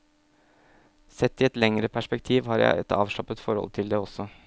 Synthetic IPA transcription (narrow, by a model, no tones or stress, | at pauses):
sɛt̪ːɪɛt̪lɛŋɾəpʰæʂpɛkt̪ʰiːʋhɑːɾjæ̰ɪɛ̰t̪ɑ̰ːʋʂɭɑpət̪fɔɾhɔ̰lt̪ʰɪld̪ɛɔsɔ